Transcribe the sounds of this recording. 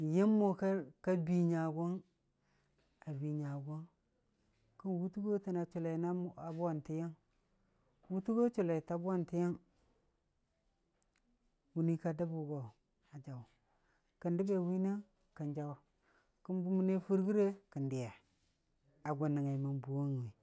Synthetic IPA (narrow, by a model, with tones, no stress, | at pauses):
ji˦mːo˨ka˦ka˦bi˨ɲa˨ɡo˦n | a˨bi˨ɲa˨ɡo˦n | ki˦nwu˦tu˦ɡo˦ti˨na˨t͡ʃu˨la˨na˦a˨ba˨nti˨˦ja˦ŋ | wu˦tu˦ɡo˦t͡ʃu˨la˨ta˨bu˦a˦nti˨˦ja˦ŋ | wu˨ni˦ka˦da˦bu˨ɡo˨ | a˨d͡ʒa˨wu˨ | kə˨ndi˦be˨wi˦na˦ | kə˨nd͡ʒa˨wa˨ | ki˦mbu˦mu˦ne˦fu˦ɾɡi˦ɾe˦ki˨ndi˨ja˨ | a˨ɡʷu˨nːi˨ŋa˨i˨ma˨nbu˨wo˦ŋ˨i˨